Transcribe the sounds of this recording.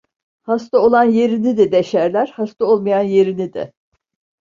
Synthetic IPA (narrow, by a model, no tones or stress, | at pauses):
hast̪ao̞lˠanje̞ɾinid̪id̪eʃæɾlʲæɾ̥hast̪ʰao̞lˠmajanje̞ɾinid̪ɪ̰